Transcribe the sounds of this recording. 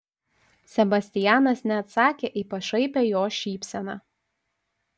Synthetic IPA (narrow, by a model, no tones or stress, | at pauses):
sʲɛbɐsʲt̪ʲɪjæːnɐsnʲɛɐt̪sɑːkʲeːʔɪpɐʃɐɪpʲejoːʃʲiːpʲsʲɛnɑː